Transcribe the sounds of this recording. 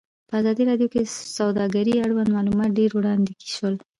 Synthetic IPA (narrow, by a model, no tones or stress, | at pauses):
pəazɑd̪iɾɑɖjokesawd̪ɑɡaɾiaɽwand̪mɑlumɑt̪̚ɖeɾwɽɑnd̪eki̥ʃwəl